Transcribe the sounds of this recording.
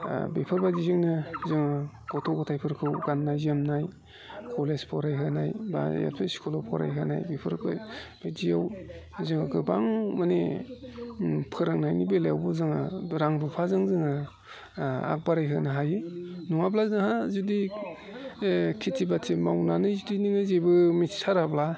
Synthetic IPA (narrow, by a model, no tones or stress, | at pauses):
bepʰɯɾbadizɯŋnɯzɯŋɯ | ɡ̥ɔtʰɔɡɯtʰajpʰɯɾkʰɯwɡanːajzemnaj | kʰɔlespʰɔɾajɦɯnajba̰ja̰t̚pʰeskʰolapʰɔɾa̰jɦɯnajbepʰɯɾba̰b̥edijaw | zɯŋaɡɯbaŋmane | pʰɯɾɯŋnajnibelejawbɯzɯŋɯɾaŋɾupʰazɯŋzɯŋɯ | a̰k̚baɾajɦɯnaɦajɯnuŋablazɯŋhazudi | kʰitʰibatʰimawnanɯzudiniŋɯzejbɯmitsaɾabla